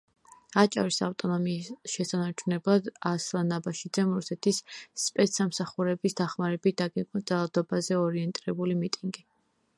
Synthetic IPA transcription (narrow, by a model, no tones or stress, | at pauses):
at͡ʃʼa̰ɾisaft̪ʼɔnɔmiːsʃɛsanaɾt͡ʃʰunɛblˠad̪aslˠanabaʃid̪zɛmɾusɛt̪ʰisːpʼɛt̪samsaχuɾɛbisd̪̥aχmaɾɛbit̪̚ʰd̪aɡɛk̪ʼɔd̪zalˠad̪ɔbazɛɔɾiɛnt̪ʼiɾɛbulimit̪ʼiŋɡi